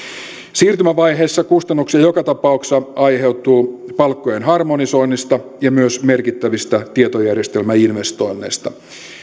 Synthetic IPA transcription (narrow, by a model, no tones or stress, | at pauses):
siːrt̪ymæʋɑjɦe̞ːsːɑkust̪ɑnːuksiɑjokɑt̪ɑpɑuksɑɑjɦe̞wt̪uːpɑlkːo̞jenɦɑrmoniso̞inːist̪ɑjɑmyøsme̞rkit̪ːæʋist̪æt̪iet̪ojærje̞st̪e̞lmæinʋe̞st̪o̞jnːḛjst̪ɑ